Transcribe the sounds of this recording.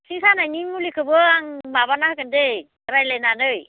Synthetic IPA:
sʰiŋsanajnimulikʰɯbɯaŋmabanaɦɯkɯnde | ɾajlenanɯj

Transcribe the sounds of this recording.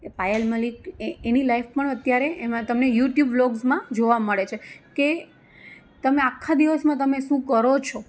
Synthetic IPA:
pajəlməlikeenilaifpəɳət̪jaɾeemãt̪əmnejuʈjubloɡzmãd͡ʒoʋaməɭet͡ʃʰeke | t̪əmeakʰːad̪iʋəsmãt̪əmeʃũkəɾot͡ʃʰɔ

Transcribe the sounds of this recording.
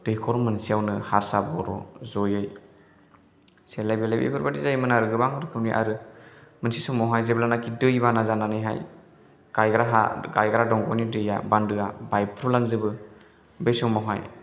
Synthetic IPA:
d̥ɯjkʰɔɾmɯnsijawnɯhaɾsabɔɾɔ̰zɔjɯj | selajbelajbḛbɯɾbadizajmɯnaɾɯɡɯbaŋɯɾɯkʰɯwniʔa̰ɾɯmɯnsisɔwmawɦajzeblanakʰidɯjbanazananɯjɦa̰j | ɡajɡɾaɦa̰ɡajɡaɾadɔŋɡɔnidɯja̰bandɯabajpʰɾulaŋzɯbɯ | bejsɔmawɦa̰j

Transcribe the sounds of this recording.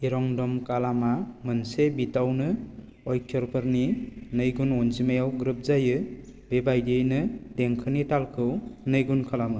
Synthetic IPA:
iɾɔŋdɔmkalamamɯnsebitawnɯ | ɔjkʰjɔɾpɯɾninɯjɡunɔnzimajawɡɾɯp̚zajɯ | bebajdɯjnɯdeŋkʰɯnitalkʰɯwnɯjɡunkʰalamɯ

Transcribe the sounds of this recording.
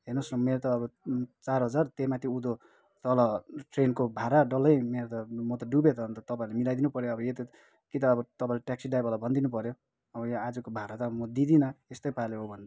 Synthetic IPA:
ɦernosnʌmeɾt̪ʌːbʌt͡sarɦʌd͡zart̪emat̪ʰiud̪o | t̪ʌlʌʈrenkobʱaɾaɖʌlʌjmeɾt̪ʌmʌt̪ʌɖubet̪ʌnt̪ʌt̪ʌpaĩlemilajd̪inupʌɾjoʌbʌjet̪ʌ | kit̪ʌːbʌt̪ʌpaĩleʈaksiɖajbʌlabʱʌnd̪inupʌɾjo | ʌbʌjad͡zʌkobʱaɾat̪ʌmʌd̪id̪inʌest̪ʌjpaleɦobʱʌnd̪a

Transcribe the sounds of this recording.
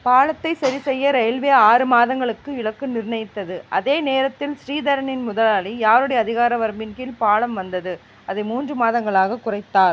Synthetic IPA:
paːɭɐt̪ːɐɪsɐɾisɛjːɐɾɐjɐlʋeːaːɾɯmaːðɐŋɡɐɭɯkːɯɪɭɐkːɯnɪɾnɐjɪt̪ːɐðɯʔɐðeːneːɾɐt̪ːɪlsɾiːðɐɾɐnɪnmʊðɐlaːlijaːɾɯɽɐjɐːðɪɣaːɾɐʋɐɾmɪnkɪlpaːɭɐmʋɐnd̪ɐðɯ | ɐðɐɪmuːndrɯmaːðɐŋɡɐɭaːɣɐkʊrɐɪt̪ːaːɾ

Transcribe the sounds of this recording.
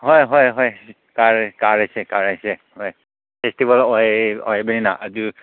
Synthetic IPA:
ɦɔjɦɔjɦɔj | kaɹkaɹajsɛkaɹajsɛhɔj | pʰestibalɔjɔjbeninaʔazi

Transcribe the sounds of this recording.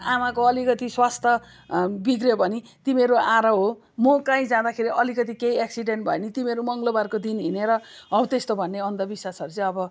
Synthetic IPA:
amakoʌlikʌt̪iswast̪ʰʌ | bikrjobʱʌnit̪imeɾoaɾʌɦo | mʌkãĩd͡zãd̪akʰeɾiʔʌlikʌt̪̬ikeieksiɖenʈbʱʌenit̪imeɾumʌŋɡlobarkod̪inɦineɾʌʌw̃t̪est̪obʱʌnːeʌnd̪ʌbiswasʌɾut͡sʌ̃ʌbʌ

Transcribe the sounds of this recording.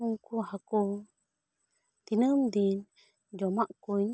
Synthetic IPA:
uŋkuhaku | t̪inəmd̪in | d͡ʒomaʔkuɲ

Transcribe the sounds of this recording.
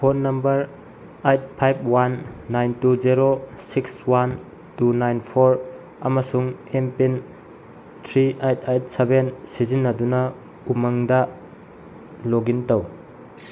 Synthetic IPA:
pʰonɐmbɐɾ | ajt̚pʰajb̚wanːajntuzeɾosikswan | tunajnpʰoɾ | ɐmɐsuŋempin | tʰɾiajt̚ajt̚sebensizinːɐdunɐ | umɐŋdɐ | loɡintɐw

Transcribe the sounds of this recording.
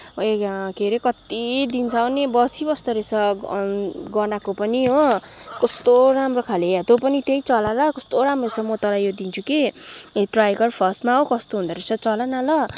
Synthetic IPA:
ʌekeɾekʌt̪id̪int͡sʰʌwnebʌsibʌst̪ʌɾet͡sʰʌ | ɡʌnakopʌniɦokʌst̪oɾamrokʰaleat̪opʌnit̪ejt͡sʌlalʌkʌst̪oɾamrot͡sʰʌmʌt̪ʌlajod̪int͡sʰukiʈrajɡʌrpʰʌsmaɦokʌst̪oɦũnd̪ʌɾet͡sʰʌt͡sʌlanalʌ

